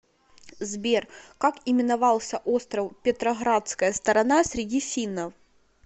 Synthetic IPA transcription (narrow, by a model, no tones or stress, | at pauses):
zbʲerkakɪmʲɪnavalˠsʲɐʔɔst̪ɾɐwpʲɪt̪ɾɐɣɾat̪skɐjɐst̪ɐɾɐnasʲɾʲɪd͡zʲifʲinɐw